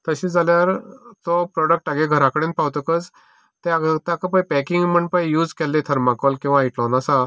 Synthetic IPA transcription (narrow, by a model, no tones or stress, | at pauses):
t̪əɕiːd͡zaljaɾt̪ɔpɾɔɽək̚ʈaɡeɡʱəɾakəɽenpawt̪əkət͡s | t̪eaɡt̪akəpajpɛkiŋɡm̤əɳpajjuːd͡zkɛlːet̪ʰəɾmakɔlkĩw̃ʋaiʈlɔnasa